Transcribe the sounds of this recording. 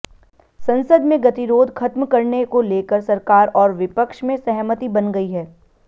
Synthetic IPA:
sɐ̃nsəd̪mẽɡɐt̪iɾoːd̪ʱxʰɐt̪mkɐɾnekoleːkəɾsɐɾkaːɾɔːɾʋɪpəkʃmẽsɐɦmət̪ibɐnɡɐiɦɛː

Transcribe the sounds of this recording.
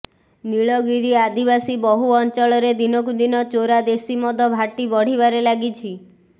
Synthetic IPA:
niɭɔɡiɾiad̪ibasibɔɦuɔnt͡ʃɔɭɔɾed̪inɔkud̪inɔt͡ʃoɾad̪esimɔd̪ʱɔbʱaʈibɔɽ̤ibaɾelaɡit͡ʃʰi

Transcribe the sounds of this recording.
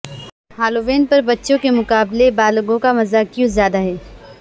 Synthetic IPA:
haːloʋeːnpɐɾbɐtːʃõkemʊkaːblebaːlɡõkamɐzakjõzjaːd̪aɦɛː

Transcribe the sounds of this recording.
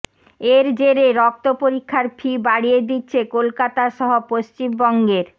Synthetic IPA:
eɾd͡ʑeɾeɾɔk̚t̪opoɾikʰːaɾpʰibaɽijed̪itːɕʰekolkat̪aʃɔɦopost͡ɕimbɔŋɡeɾ

